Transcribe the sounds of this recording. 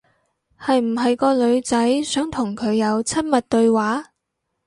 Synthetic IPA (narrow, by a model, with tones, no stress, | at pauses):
hɐ˨jm̩˨˩ɦɐ˨jkɔː˧lɵ˨˧ɥt͡sɐ˨˥jsœː˨˥ŋt̪ʰʊ˨˩ŋkʰɵ˨˧ɥjɐ˨˧wt͡sʰɐ˥t̚mɐ˨t̚t̪ɵ˧ɥwaː˨˥